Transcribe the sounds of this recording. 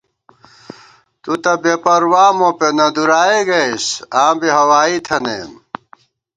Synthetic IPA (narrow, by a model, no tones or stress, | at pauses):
t̪ut̪ɐbepɐɾwaːmõpenɐd̪uɾaːeɡɐjsãːbiɦɐwaːit̪ʰɐnḛːm